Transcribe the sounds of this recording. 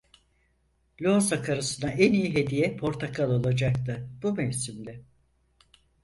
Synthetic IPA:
lʲoasakʰaɾɯsɯnaʔɛnijiɦe̞d̪ijɛpʰo̞ɾt̪ʰakʰalˠo̞lˠad͡ʒak̚t̪ʰɯb̥umɛvsimlʲɪ

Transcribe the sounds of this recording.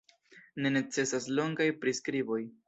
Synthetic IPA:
ne̞ne̞t͡se̞saslo̞ŋɡajpɾiskɾibo̞j

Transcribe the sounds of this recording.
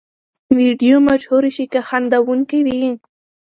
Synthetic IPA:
wiɖijomaʃhuɾiʃikaxand̪awuŋkiwi

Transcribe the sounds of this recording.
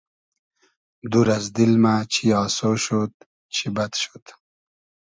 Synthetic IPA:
d̪uɾɐzd̪ilmat͡ɕʰiɑːsoʃut̪̚ | t͡ɕʰibɐt̪ʃu̥t̪

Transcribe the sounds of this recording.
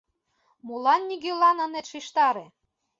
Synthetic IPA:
mulɑnːʲiɡølɑnɤ̆net̪ʃiʃt̪ɑɾĕ

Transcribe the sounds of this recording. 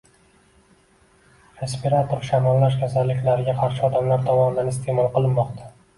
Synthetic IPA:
ɾespeɾat̪ʰoɾʃamɒlːaʃ̬kʲʰasalːɪkʲlaɾɪɡʲaqʰɑɾʃɪɒd̪amlaɾt̪ʰɒmɒnɪd̪anɪst̪ʰe̞mɒlˠqɨlˠɪnmːɒqt̪ʰa

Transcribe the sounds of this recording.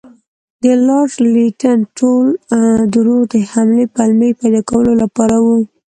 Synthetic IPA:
d̪əlɑʂliʈanʈold̪uɾod̪əhamlepalmejpɑjd̪ɑkawəlolapɑɾawu

